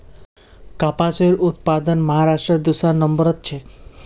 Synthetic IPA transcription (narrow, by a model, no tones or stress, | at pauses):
kapat͡ʃɔiɾʔut̪̚pad̪ɔnmɔɦaɾasʈɾɔd̪usanɔmbɔɾɔt̪t͡ʃʰe